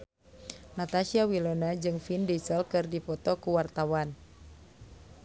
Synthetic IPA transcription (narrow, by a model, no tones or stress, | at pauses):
nat̪asiawilɔnad͡ʒɨŋfindisəlkɨrdipɔt̪ɔkuwart̪awan